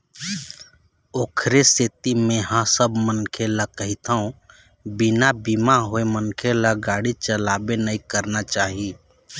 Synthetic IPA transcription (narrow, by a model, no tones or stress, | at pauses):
oːkʰɾeset̪imẽɦãsəbmənkʰelakəɦit̪aõ | bɪnabimaɦoemənkʰelaɡaːɽit͡ʃəlaːbenəikəɾnat͡ʃaːɦi